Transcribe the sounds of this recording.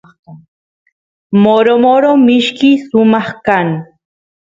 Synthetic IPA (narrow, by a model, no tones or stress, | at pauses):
moɾomoɾomɪʃkɪsʊmɑχkaŋ